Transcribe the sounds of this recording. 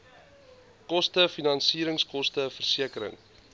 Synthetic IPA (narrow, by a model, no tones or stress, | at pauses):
kɔstəfinɐnsiːɾəŋskɔstəfərsiəkəɾə̰ŋ